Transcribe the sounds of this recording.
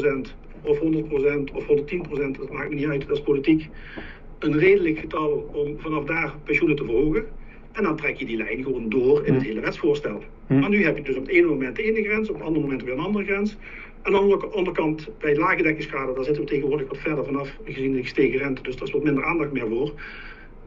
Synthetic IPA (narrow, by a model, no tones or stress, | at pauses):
sɛnt | ɔfɦɔndərt̚prosɛntɔfhɔndəɹtinprosɛntət̚maːktmənitœɥtdɑspolitik | ənreːdələkxətɑlˠɔmvɑnɑfdaːrpɛnʃunətəvəɹɦoːɣə | ɛndɑntrɛkjədilɛ̰jnɣəʋoːndoːrɪnətɦeːləʋɛtsfʊːɹstɛ̰lˠ | manyɦɛpjədɵsɔpəteːnəmomɛntdəeːnəɣrɛnsɔpətɑndəmomɛntɔpjənɑndərəɣrɛns | ɛndɑnəkɑndəɹəkɑntbɛjdəlaːɣədɛkɪŋskaːdədaːɹzɪtəəteɣənʋʊːɹdələkʋɑtfɛɹdəɹvɑnɑfəɣəzinɪsteːɣərɛntədɵsdərɪsʋɑtmɪndəɹaːndɑxtmɪːɹvoːɹ